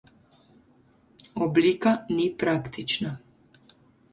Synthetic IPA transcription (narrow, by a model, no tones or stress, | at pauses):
ɔbliːkanipɾakt̪it͡ʃna